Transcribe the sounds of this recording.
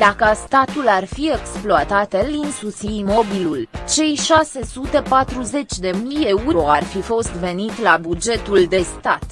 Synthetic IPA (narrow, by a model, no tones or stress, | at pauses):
d̪akəst̪at̪ularfie̞ksploat̪at̪linsusimo̞bilult͡ʃe̞jʃase̞sut̪e̞pat̪ɾuze̞t͡ʃʲd̪e̞mije̞uɾoarfifo̞st̪ve̞nit̪labud͡ʒe̞t̪uld̪e̞st̪at̪